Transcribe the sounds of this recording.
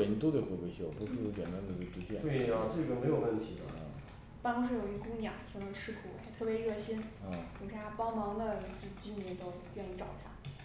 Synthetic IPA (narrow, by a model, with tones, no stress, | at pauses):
ə˨˩ni˧˥t̪o˥t̪we˥˩we˥kwe˥ɪɕʰi˥˩wɔ˨˩pu˧˥ʂɻ̩˥˩jo˧˥t͡ɕjɛ˨˩nt̪a˥nd̪ə˨˩e˥˩ʈ͡ʂɻ̩˧˥t̪jɛ˥˩nt̪we˥˩a˩ʈ͡ʂɤ˥˩ɡə˩me˧˥ɪjo˨˩wə˥˩nt̪ʰi˧˥d̪ə˧˥˧ | pɑ˥ŋʈ͡ʂu˥ʂ̬ɻ̩˥˩jo˨˩i˧˥˩kʊ˥ŋnjɑ̰˨˩˦ŋt̪ʰi˧˥ŋnɤ˧˥ʈ͡ʂʰɻ̩˥kʰu˨˩a̰˧˩t̪ʰɤ˥˩pjɛ˧˥ɻɤ˥˩ɕi˥n̩˧˥˩kʰo˨˩ʂ̩ʰ˥˩t̪ʰa˥pɑ˥ʊmɑ˧˥ŋd̪ə˧t͡ɕo˥˧˩t͡ɕi˥nnjɛ˧˥nt̪o˥ʊɥɛ˥˧ni˥˩ʈ͡ʂɑ˨˩ʊt̪ʰa˥